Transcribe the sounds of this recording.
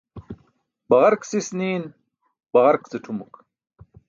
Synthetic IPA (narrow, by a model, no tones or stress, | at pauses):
bɐʁɐɾksisniːn | bɐʁɐɾkt͡seʈ͡ʂʰumuk